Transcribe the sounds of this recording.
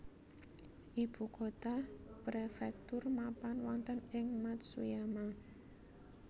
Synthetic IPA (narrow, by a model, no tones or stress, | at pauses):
ʔib̥ṳkot̪apɾefɛk̚t̪ʊrmapanwɔnt̪ənɪŋmat̪̚sṵjama